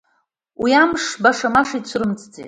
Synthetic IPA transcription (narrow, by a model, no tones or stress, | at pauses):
wiamʂbaʂamaʂit͡ɕʷʰrɨmt͡sʼd͡zḭ